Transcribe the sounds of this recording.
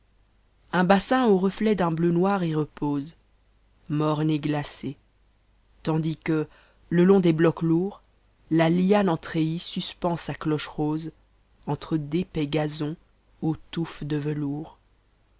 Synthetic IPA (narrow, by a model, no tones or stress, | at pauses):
ɛ̃basɛ̃oʁəflɛd̪ɛ̃blønwaʁiʁəpoːz | mɔʁneɡlase | t̪ɑ̃d̪ikə | ləlɔ̃d̪eblɔkluʁ | lalianɑ̃t̪χeisyspɑ̃saklɔʃʁoz | ɑ̃t̪χəd̪epɛɡazɔ̃ | ot̪ufd̪əvəluːʁ